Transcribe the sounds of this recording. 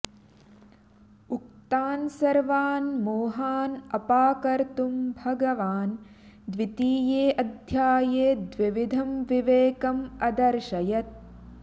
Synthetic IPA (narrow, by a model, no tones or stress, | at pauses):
uk̚t̪aːnsɐɾʋaːnmoːɦaːnɐpaːkɐɾt̪umbʱɐɡɐʋaːn | d̪ʋit̪iːjeːʔɐd̪ʱjaːjeːd̪ʋiʋid̪ʱɐmʋiʋeːkɐmɐd̪ɐɾʃɐjɐt̪̚